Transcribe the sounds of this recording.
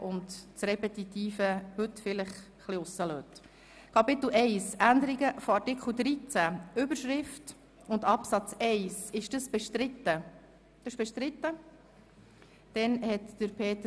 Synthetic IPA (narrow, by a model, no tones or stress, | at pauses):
ʔʊndt͡sɾɛpɛt̪it̪iːfəhɵt̪ːfɪlɪχ | χliʊsːəløːt | kʰɑpɪt̪l̩ʔɛɪsʔænd̪əɾiɡəfɔɑɾtikʰl̩d̪ɾit͡sæʏbəɾʃɾɪft | ʊndɑpsɑt͡sɛɪsɪʃd̥əsb̥ɛʃtɾɪt̪ːə | d̥̪əʃb̥ɛʃt̪ɾɪt̪ːə | d̪̥ɛnhɛt̪d̥əɾpʰeːt̪ə